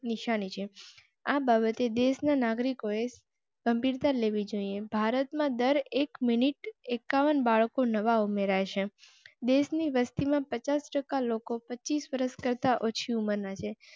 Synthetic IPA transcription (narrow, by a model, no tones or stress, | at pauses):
niʃanit͡ʃʰe | ababət̪ed̪eʃnanaɡɾikoe | ɡ̥əmbʱiɾt̪aɾleʋid͡ʒoiebʱaɾət̪mãd̪əɾekminiʈekːaʋənbaɭkonəʋaumeɾat͡ʃʰe | d̪eʃniʋəst̪imãpət͡ʃasʈəkalokopətːt͡ʃːisʋəɾəʃkəɾt̪aʔot͡ʃʰiuməɾnat͡ʃʰe